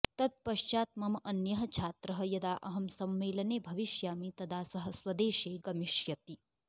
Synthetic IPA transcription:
t̪ɐt̪̚pɐʃt͡ʃaːt̪̚mɐmɐnjɐɦɐt͡ʃʰaːt̪ɾɐɦɐ̆jɐd̪aːʔɐɦɐmsɐmːeːlɐneːbʱɐʋiʃjaːmit̪ɐd̪ʱaːsɐɦɐsʋɐd̪eːʃeːɡɐmiʃjɐt̪i

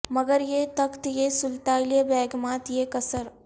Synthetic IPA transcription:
mɐɡəɾjeːt̪ɐkt̪jeːsult̪aːjlijɐbɛːɡmaːt̪jeːkɐsəɾ

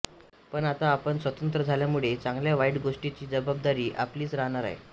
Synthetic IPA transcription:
pəɳat̪aːpəɳsʋət̪ənt̪ɾəd͡zʱaljamuɭet͡sãŋɡljaʋaiʈɡoʂʈit͡ɕiːd͡zəbab̚d̪aɾiːʔa̰pliːt͡sɾaɦɳaɾa̰ɦḛ

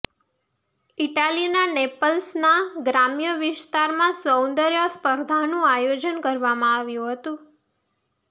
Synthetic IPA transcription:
iʈalinanepəlsnaɡɾamjəʋɪst̪aɾmãsownd̪əɾjəspəɾd̪ʱanũajod͡ʒənkəɾʋamãaʋjũɦət̪ũ

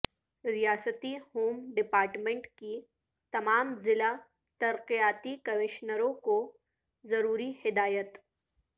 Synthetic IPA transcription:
ɾɪjaːsət̪ihoːmɖɪpaːɾʈmẽɳʈki | t̪ɐmaːmzɪla | t̪ɐɾqijaːt̪ikɐmɪʃnəɾõko | zɐɾuːɾihɪd̪aːjət̪

